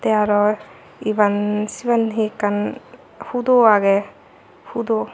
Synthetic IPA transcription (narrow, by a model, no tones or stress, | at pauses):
t̪eaɾɔ | ibansibanɦikan | hud̪ɔaɡe | hud̪ɔ